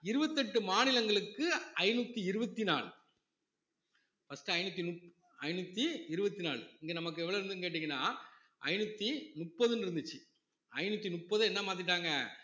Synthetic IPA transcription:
ɪɾɯbɐt̪ːɛʈːɯmaːnɪlɐŋɡɐɭɯkːɯɐɪnut̪ːiɪɾɯbɐt̪ːina̰ːɭ | fɐsʈɯɐɪnɯt̪̬ːinʊp | ɐɪnut̪ːiɪɾɯbɐt̪ːinaːɭɪŋɡeːnɐmɐk̬ːɯɛʋɐɭoɪɾɯnd̪ɯnkeːʈ̬ːɪŋɡɐnːaː | ʔɐ̰ɪnɯt̪ːinʊʈpːɐðɯnɪɾɯnd̪ɯt͡ʃːɯ | ɐɪnut̪ːinʊʈpːɐðɯɛnːɐmaːt̪̬ɪʈːaːŋɡɐ

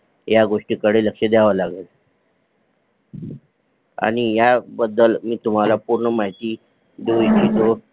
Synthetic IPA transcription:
jaɡoʂʈiːkəɽeləkʂed̪aʋəlaɡel | a̰ɽ̃ijabəd̪ːəlmiːt̪um̤alapuɾɳəmaɦjt̪iː | ɖoit͡ɕiːt̪o

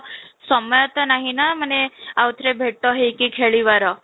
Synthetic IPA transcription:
səmjat̪ənaɦinam̤əneaʋət̪ʰɾebʱeʈt̪oɦekiːkʰeɭiʋaɾə

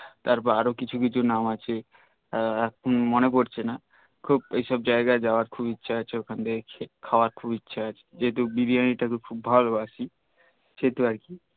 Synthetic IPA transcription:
t̪aɾpɔɾaɾokit͡ɕʰuk̬it͡ɕʰunamat͡ɕʰe | ɛkʰonmonepoɾt͡ɕʰena | kʰubejʃɔb̚d͡ʑaeɡaed͡ʒaoaɾkʰubitːʃʰaat͡ɕʰeokʰand̪ekʰekʰaoaɾkʰubitːɕʰaat͡ɕʰe̥d͡ʒeɦet̪ubibianiʈakukʰubbʱɔloasi | ʃeɦt̪uaɾki

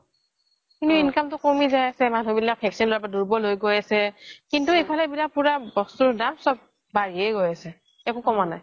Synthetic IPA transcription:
kintuinkamtʊkomizajasɛmanʱubilak̚pʰɛksɔnloapaduɹbɔlojɡojasɛkintuejpʰalɛbilak̚puɹabɔstudamsɔb̚ | baɹiɛjɡojasɛ | ɛkʊkɔmanaj

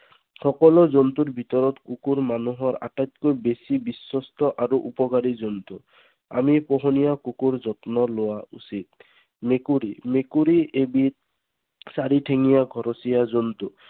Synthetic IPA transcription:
xɔkɔlɔzɔnt̪uɾbʱit̪ɔɾɔt̪kukuɾmanuɦɔɾa̰ʈajt̪̚kɔjbesibiswɔst̪ɔʔaɾuʔupɔkaɾizɔnt̪u | a̰mipɔɦɔnijakukuɾzɔt̪nɔlowausit̪̚ | mekuɾimekuɾiʔebit̪̚ | saɾiʈʰeŋijaɡʱɔɾɔsijazɔnt̪u

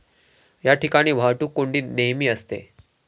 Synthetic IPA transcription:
jaʈikaɽ̃iːʋʱaʈuːkoɳɖiːneɦmiːəst̪ḛ

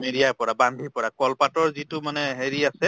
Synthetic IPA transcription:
meɹijaɹpɔɹabandʱipɔɹakɔlpatɔɹzitʊmanɛɦeɹiasɛ

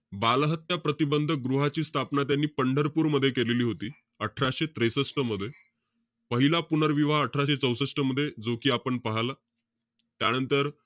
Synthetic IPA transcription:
balɦət̪japɾət̪ibənd̪ʱəɡɾuɦat͡ɕiːst̪ʰapnat̪janːiːpəɳɖʱəɾpuːɾməd̪ʱːjekeleliːɦot̪iː | əʈʰɾaɕet̪ɾesəsʈəməd̪ʱːje | pəɦilapunəɾʋiʋaəʈʰɾaɕet͡səwsəsʈəməd̪ʱːjed͡zokiːapəɳpəɦala | t̪janənt̪əɾ

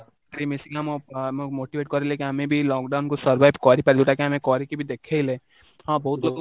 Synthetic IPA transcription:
kɾimisiŋamommoʈibʱeʈ̚kɔɾelekiɦamẽbʱilɔkɖawnkosɔɾbajbkɔɾipaɾid͡ʒoʈakiɦamẽkɔɾikibʱid̪ekʰejle | ɦɔ̃bɔɦut̪lok

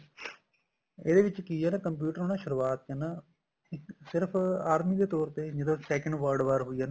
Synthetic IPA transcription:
ḛd̪eːʋɪt͡ʃkijaːnaːkəmp̬juːʈəɾoːñaːʃʊɾuaːt̪̚ana | sɪɾpʰaːɾmiːd̪eːt̪ɔːɾt̪eːd͡ʒəd̪õsɛːkə̃ɳɖʋəɾɖʋaːɾɦʊiːaːnaː

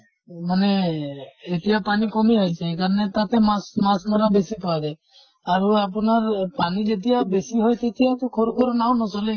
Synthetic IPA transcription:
mane | et̪ijapanikɔmiajt͡ʃʰeːkaɾɔnet̪at̪emasmasmɔɾabesipajd̪a | aɾuap̬ɔnaɾpanid͡ʒet̪ijabesiɦojt̪et̪ijat̪okʰoɾukʰɔɾunaw̃nɔsɔle

